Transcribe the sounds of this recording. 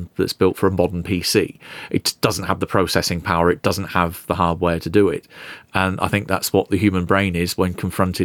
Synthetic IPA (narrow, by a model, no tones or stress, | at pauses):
ðə̰tsb̥ɪlˠtfəɹəmɒdən̩pʰisḭːʔɪtd̥ʌzn̩ʔhəvðəpʰɹ̥oʊsɛsɪ̃ŋpʰaʊəɹɨt̚d̥ʌzə̃n̩ʔhəvðəɦɑːd̚wɛːtʰədəɪ̰tə̃nʔa̰ɪθɪ̃ŋk̚ða̰tswɒʔ̪̚ðəɦjʉːmə̃nbɹẽɪ̃nɪzwə̃nkʰə̃ɱfɹʌ̃ntʰɪ